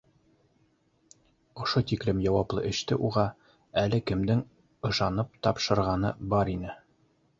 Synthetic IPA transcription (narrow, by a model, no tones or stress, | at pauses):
ŏʃot̪iklɘmjɒwɑplˠɤ̰ʔɘ̆ʃt̪ɘʔuʁɑ | ælɘkɘ̆md̪ɘŋ | ɤ̆ʃɑnɤp̚t̪ɒpʃɤ̆ɾʁɑnɤbɒɾinɘ